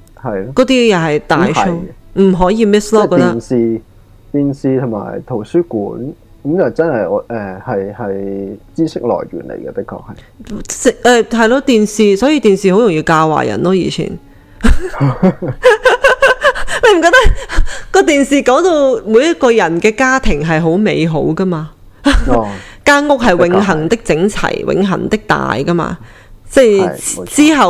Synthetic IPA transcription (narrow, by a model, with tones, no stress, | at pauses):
hɐ˨jkɔː˨˥t̪iː˥jɐ˨hɐ˨jt̪aː˨jho˨˥wm̩˨˩ɦɔː˨˥jiː˧mɪ˥slɔː˥ɔː˧˥t̪ːɐ˥nsiː˨˧ | t̪iː˨nsiː˨t̪ʰʊ˨˩ŋma̰ː˨˩jt̪ʰo˨˩wsyː˥kuː˨˥n | kɐ˨˦mjɐ˨˩wt͡sɐ˥nhɐ˨jɔː˨˧ʔɛ˨˧hɐ˨jhɐ˨jt͡siː˥sɪ˥k̚lɔ̰ː˨˩jɥy̰ː˨˩nlḛ˨˩jɡɛ˧pɪ˥kʰːɔ̰ː˧k̚hɐ˨j | sɪ˨ɛː˨˧ɦɐ˨jloː˧t̪iː˨nsiː˨˧sɔː˨˥ji˧t̪iː˨nsiː˨ho˨˥wjʊ˨˩ŋjiː˧wkaː˧wwa̰ː˨˩jɐ̰˨˩nlɔː˥jḭː˨t͡ɕʰḭː˨˩n | ne˨˧jm˨˩kɔː˧t̪ɐ˥kkɔː˧t̪iː˨nsiː˨kɔː˨˥ŋt̪o˧wmu˨˧jɐ˥t̚kɔː˧jɐ˨˩nkɛː˧kaː˥t̪ʰɪ˨˩ŋɦɐ˨jɦo˨˥wme˨˧jɦo˨˥wkɐ˥maː˧ | kaː˥ŋʊ˥k̚ɦɐ˨jwɪ˨˥ŋɦɐ˨˩ŋt̪ɪ˥k̚t͡sɪ˨˥ŋt͡sʰɐ̰˨˩jwʔɪ̰˨˧˥ŋɦɐ̰˨˩ŋt̪ɪ˥k̚t̪a̰ː˨jkɐ˥ma̰ː˧ | t͡sɛ˥˩t͡siː˥ɦɐ˨w